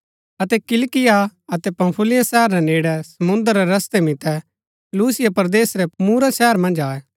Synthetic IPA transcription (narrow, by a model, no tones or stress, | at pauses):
ɐt̪ɛkɪlkɪjaɐt̪ɛpɐ̃mpʰʊlɪjãsɛɦəɾːɛneːɽɛsɐmʊ̃nd̪əɾːɛɾɐst̪emɪt̪ɛ | luːsɪjapɐɾd̪eːsɾɛmuːɾasɛːəɾmɐ̃nd͡ʒaːɛ